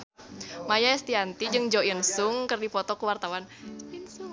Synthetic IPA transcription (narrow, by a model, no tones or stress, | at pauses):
majaɛst̪iant̪id͡ʒɨŋd͡ʒɔinsʊŋkɨrdipɔt̪ɔkəwart̪awan